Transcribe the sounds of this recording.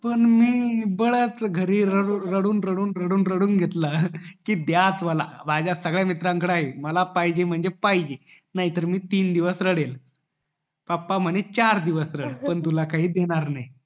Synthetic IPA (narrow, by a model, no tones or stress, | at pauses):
pəɳmiːbəɭət͡sɡʱəɾiːɾəɽɾəɽuːnɾəɽuːnɾəɽuːnɾəɽuːnɡʱet̪lakiːd̪jat͡sʋəla̰bad͡ʑasəɡɭjamit̪ɾãŋkəɽaɦeməlapajd͡ʑem̤əɳd͡zepajd͡ʑenaɦit̪əɾmiːt̪iːnd̪iʋəsɾəɽel | papːam̤əɳet͡ɕaɾd̪iʋəsɾəɽpəɳt̪ulakaɦiːd̪eɽ̃aɾnaj